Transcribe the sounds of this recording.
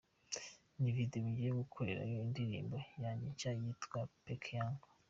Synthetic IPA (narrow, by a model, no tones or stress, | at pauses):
nividoβuɟieɡukʰoɾḛɾa̰joindiɾḭːmbojaɲit͡ʃajitɡwapekʰjaŋɡ